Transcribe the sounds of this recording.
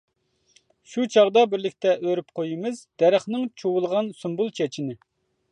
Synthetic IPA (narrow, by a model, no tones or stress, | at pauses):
ʃut͡ʃʰɑʁd̪ɑbɪɾlɪkʲt̪ʰɛʔøɾypqʰojimɪzd̪̥ɛɾæχnɨŋt͡ʃʰowulˠʁɑnsumbulˠt͡ʃʰɛt͡ʃʰinɪ